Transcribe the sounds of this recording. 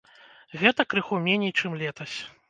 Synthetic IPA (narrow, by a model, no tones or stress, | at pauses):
ɣɛt̪ɐkɾɨxumʲɛnʲejt͡ʂɨmlʲɛt̪ɐsʲ